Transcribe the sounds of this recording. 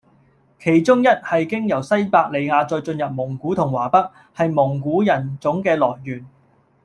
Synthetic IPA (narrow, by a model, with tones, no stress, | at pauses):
kʰe˨˩jt͡sʊ˥ŋjɐ˥t̚hɐ˨jkɪ˥ŋjɐ˨˩wsɐ˥jpaː˧k̚le˨˧jŋaː˨˧t͡sɔ˧jt͡ʃɵ˧njɐ˨p̚mʊ˨˩ŋkuː˨˥t̪ʰʊ˨˩ŋwaː˨˩pɐ˥k̚ | hɐ˨jmʊ˨˩ŋkuː˨˥jɐ˨˩nt͡sʊ˨˥ŋkɛː˧lɔː˨˩jːyː˨˩n